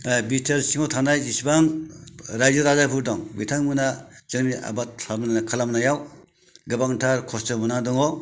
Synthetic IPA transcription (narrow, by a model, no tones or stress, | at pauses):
bitʰɐɾsiŋɔtʰandajisbaŋɾajzɯɾazapʰuɾdɔŋbitʰaŋmɯnaz̥ɯŋnia̰batʰamnkʰalamnajaw | ɡɯbaŋtʰaɾkʰɔstɯmunadɔŋɔ